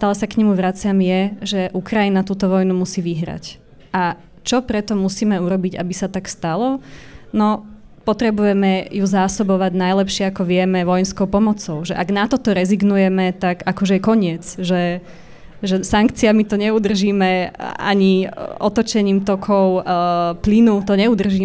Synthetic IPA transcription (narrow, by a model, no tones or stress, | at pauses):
st̪aːlɛsakɲɛmuʋɾat͡sɪamjɛʒɛʔukɾajinat̪uːt̪ɔʋɔjnumusiːʋiɦɾa̰c | ʔa | t͡ʃɔpɾɛt̪ɔmusiːmɛuɾɔbiɟa̰bisat̪akst̪alɔnɔ | pɔt̪ɾɛbujɛmɛjuzaːsɔbɔʋaɟnajlɛpʃɪɛakɔʋɪɛmɛʋɔjɛnskɔʊpɔmɔt͡sɔʊʒɛʔaɡnat̪ɔt̪ɔɾɛziɡnujɛmɛt̪aɡakɔʒɛɛkɔɲɪɛt͡sʒɛ | ʒɛsaŋkt͡siamit̪ɔɲɛud̪r̩ʒiːmɛʔa̰ɲiʔɔt̪ɔt͡ʃɛɲiːmt̪ɔkʰɔʊplinut̪ɔɲɛud̪r̩ʒiː